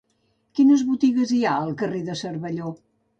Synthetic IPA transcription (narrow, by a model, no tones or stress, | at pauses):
kinəzβut̪iɣəziaəlˠkəreðəsəɾβəʎo